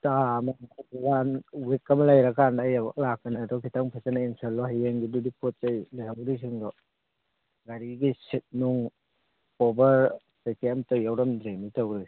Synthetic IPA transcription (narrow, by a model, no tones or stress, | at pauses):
tamaawanwekːamlajɾakanajalakːɐnadɔkʰitaŋpʰasanaiŋsalːɔɦajeŋɡidudipʰɔt̚t͡ʃajlajhawɾis̬iŋdɔ | ɡaɾiɡisit̚nuŋ | ɔbɐɾ | sekemtajawɾɔmdɾemitawɾɯ